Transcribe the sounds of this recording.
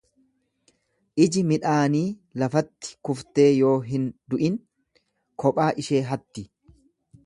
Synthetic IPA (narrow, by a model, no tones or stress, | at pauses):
ʔɪd͡ʒɪmɪᶑaːniːlɐfɐt̪ːɪ̥kʊft̪e̞ːjo̞ːɦɪnd̪ʊʔɪn | kʰɔpʼaːʔɪʃe̞ːɦɐt̪ːɪ